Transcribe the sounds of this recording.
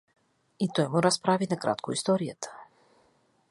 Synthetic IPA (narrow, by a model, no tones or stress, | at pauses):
it̪ɔjmuɾaspɾavinakɾa̰t̪koist̪ɔɾijat̪ḁ